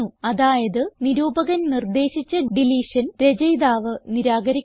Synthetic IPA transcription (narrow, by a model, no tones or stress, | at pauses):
uɐðaːjɐðɨniɾuːbɐɣɐnnird̪e̞ːɕit͡ɕːɐɖiliːʂɐnɾe̞d͡ʑɐjd̪aːʋɨniɾaːɡɐɾikʲː